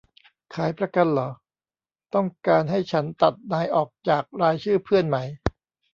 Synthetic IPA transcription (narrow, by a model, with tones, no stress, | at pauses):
kʰaː˩˦jpʰɾa˧ka˧nlɔː˩˦ | t̪ɔ˥˩ŋkaː˧nɦa˥˩jt͡ɕʰa˦˥nt̪a˨˩t̪̚naː˧jʔɔː˨˩k̚t͡ɕaː˨˩k̚ɾaː˧jt͡ɕʰɯː˥˩pʰɯ˥˩ənma˦˥j